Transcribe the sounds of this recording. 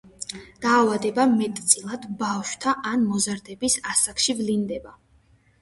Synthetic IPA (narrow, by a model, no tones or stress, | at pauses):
d̪̥aːvad̪ɛbamɛt̪ʼt̪sʼilˠad̪bafʃwt̪ʰaʔanmɔzaɾd̪ɛbisasakʃivlind̪ɛba